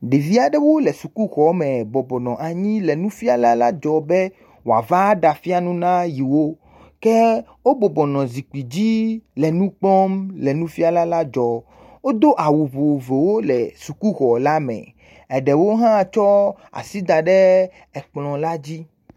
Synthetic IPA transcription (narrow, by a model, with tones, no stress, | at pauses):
ɖe˨vi˦a˨ɖɛ˦wo˦lɛ˨su˨ku˦ɣɔ˨˦mɛ̃˨bɔ˨bɔ˨nɔ̃˨ʔa˨ɲĩ˦lɛ˨nũ˦fi˦a˦la˦la˦d͡ʒɔ˨bɛ˦ | wo˨a̰˨va˦ɖa˨fi˦a˦nũ˦nã˦ji˨wo˦ | kɛ˦ | wo˦bɔ˨bɔ˨nɔ̃˨zi˨k͡pi˨d͡ʑi˦lɛ˨nũ˦k͡plɔ˦mlɛ˨nũ˦fi˦a˦la˦la˦d͡ʒɔ˨ | wo˦d̪o˦ʔa˨wu˨vo˨vo˨wo˦lɛ˨su˨ku˦ɣɔ˨la˦mɛ̰˨ | ɛ˨ɖɛ˨wo˦ɦã˦˨t͡ʃɔ˦a̰˨si˦d̪a˨ɖɛ˦ | ɛ˨k͡plɔ̃˨la˦d͡ʑi˦